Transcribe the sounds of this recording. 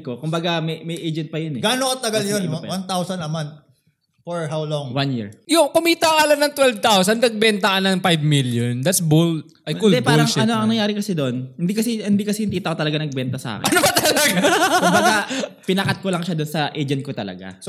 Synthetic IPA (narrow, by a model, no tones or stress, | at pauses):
ko̞kʊmbɐɡamɛjmɐjʔejd͡ʒɛnt̪̚pɐjʊnɛɡaːnokɐt̪ɐɡaljonnwant̪awsɐnːɐmant̪̚ | foɹɦawlɔŋwanjḭɹjokʊmiːt̪ɐŋɐlɐnɐŋt̪wɛlvt̪awsɐnnɐɡ̚bɛnt̪ɐkɐnɐŋpajvmiljond̪at̪sbul | ʔɐjkuld̪ɛpaɾɐlŋɐnoʔɐŋnɐŋjaːɾɪkɐsɛd̪oʔonhɪnd̪ikɐsɛhɪnd̪iːkɐsɛhɪnt̪iːt̪ɐʔkot̪ɐlɐɡanɐɡ̚bɛnt̪ɐsɐʔa̰ːkʔɐnopɐt̪ɐlɐɡakʊmbɐɡapɪnɐkɐt̪̚kolɐŋʃad̪ʊnsɐʔejd͡ʒɛn̚kot̪ɐlɐ̰ɡa̰s